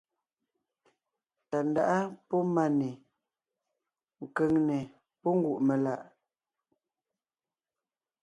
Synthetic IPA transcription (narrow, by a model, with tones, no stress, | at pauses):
ta˨n˦da˦ʔa˦pɔ˦ma˨ne˨ | ŋ̩˨kə˨ŋnɛ˨ | pɔ˦ŋ˦ɡu˨ʔme˨la˨ʔ